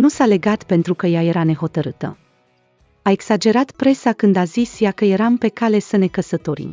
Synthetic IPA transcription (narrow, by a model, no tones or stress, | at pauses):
nusale̞ɡat̪pe̞nt̪ɾukəjaje̞ɾane̞ɦo̞t̪əɾɨt̪ə̰ | ae̞ɡsad͡ʒe̞ɾat̪pɾe̞sakɨnd̪azisjakəje̞ɾampe̞kale̞səne̞kəsət̪o̞ɾḭm